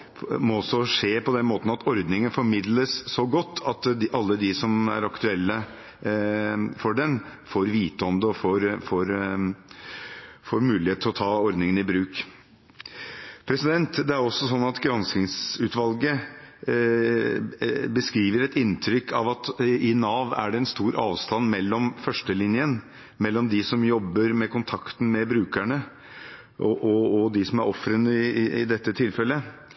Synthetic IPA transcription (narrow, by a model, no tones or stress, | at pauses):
mɔɔsːɔʂeːpɔd̪ɛnmoːt̪nɑt̪ʰɔɾd̪nɪŋənfɔɾmɪd̪ləsːɔɡɔt̪ːɑt̪ʔɑlːəd̪ɪsɔmæ̰ɾɑkt̪ʉɛlːə | fɔɖɛnfoːɾʋiːt̪əɔmd̪əɔfoːɾfoːɾ | foːɾmʉːlɪheːt̪ʰɔt̪ʰɑːɔɾd̪nɪŋənɪbɾʉːk | pʰɾɛsɪd̪ɛnt̪d̪ɛæɾɔsːɔsɔnːɑt̪ɡɾɑnskɪŋsʉːt̪ʋɑlɡə | bəskɾiːʋəɾɛt̪ɪnt̪ʰɾʏkʰːɑʋɑt̪ɪnɑːʋæ̰ɖɛɛnst̪uːɾʔɑ̰ːʋst̪ɑnːmɛlːɔmfœʂʈəlɪnjən | mɛlːɔmd̪ɪsɔmjɔbːəɾmɛkʊnt̪ʰɑkt̪n̩mɛbɾʉːkæɳə | ʔɔʔɔɔd̪ɪsɔmæɾɔfɾənəɪɪɪd̪ɛt̪ːət̪ʰɪlfɛlːə